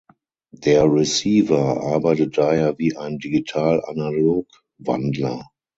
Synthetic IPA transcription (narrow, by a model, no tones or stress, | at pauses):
d̥eːɐʁisiːvɐʔaɐbaɪtət̚d̥aheːɐviːʔaɪndiɡitʰaːla̰naloːk | va̰ndlɐ